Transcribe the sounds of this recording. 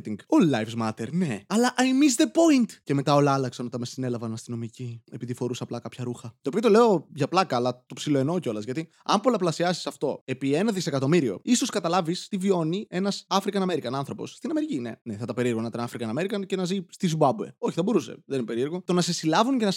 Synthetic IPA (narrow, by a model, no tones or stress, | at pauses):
t̪iŋɡolɐjfzmɐt̪eɾneɐlɐʔɐjmisðepo̞int̪ce̞me̞t̪ɐo̞lɐɐlɐksɐno̞t̪ɐnmesine̞lɐvɐnɐst̪ino̞micie̞piðifo̞ɾusɐplɐkɐpçɐɾuxɐt̪io̞piɐt̪o̞le̞o̞ʝɐplɐkɐːlɐt̪o̞psilo̞eno̞ceo̞lɐzʝɐt̪i | ɐ̰mpolɐplɐsiɐsi̥sɐft̪o̞e̞pie̞nɐðise̞kɐt̪o̞miɾio̞̰iso̞skɐt̪ɐlɐvist̪ivio̞nie̞nɐsɐfɾikɐnɐme̞ɾikɐnɐnθɾo̞po̞̰sst̪inɐme̞ɾicine̞̰neθɐt̪ɐpeɾiɾɣonɐt̪ɐnɐfɾikɐnɐme̞ɾikɐnce̞nɐzist̪izubɐbue̞̰o̞çi̥θɐbo̞ɾuse̞̰ðeninepe̞ɾieɾɣot̪o̞nɐse̞silɐvunce̞nɐ